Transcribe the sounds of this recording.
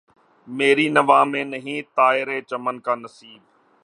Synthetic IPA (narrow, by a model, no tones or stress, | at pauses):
meːɾiːnəʋaːmẽːnəɦĩːt̪aːɪɾeːt͡ʃəmənkãːnəsiːb̚